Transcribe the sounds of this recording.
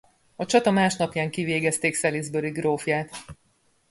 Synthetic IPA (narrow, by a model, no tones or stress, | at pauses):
ɒt͡ʃɒt̪ɒmaːʃnɒpjaːŋkiveːɡɛst̪eːksɛlizbøɾiɡroːfjaːt̪